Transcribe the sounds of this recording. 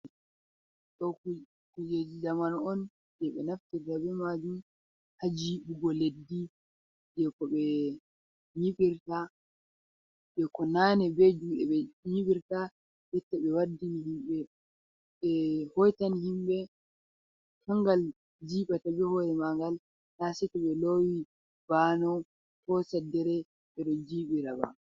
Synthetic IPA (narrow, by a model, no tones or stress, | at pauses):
ɗɔ | kud͡ʒed͡ʒid͡ʒamanɔn | d͡ʒɛɓɛ̰naftiɾtabɛmad͡ʒum | had͡ʒiːɓuɡɔledːi | d͡ʒɛkɔɓɛ | ɲiɓiɾta | d͡ʒɛkɔnanɛbed͡ʒuɛɓɛɲiɓiɾta | jɛtːaɓɛwadːinihimɓɛ | ɓɛhɔjtanihimɓɛ | haŋɡal | d͡ʒiɓatabɛhɔɾɛmaŋɡal | nasɛtɛɓɛlowi | banɔ | kɔsɛdːɛɾɛ | ɓɛɗɔd͡ʒiɓiɾaba̰